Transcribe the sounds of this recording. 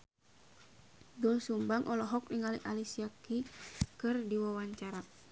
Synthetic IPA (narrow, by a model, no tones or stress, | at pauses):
dulsumbaŋʔɔlɔɦɔk̚niŋaliʔalisiakikɨrdiwawaɲt͡ʃaɾa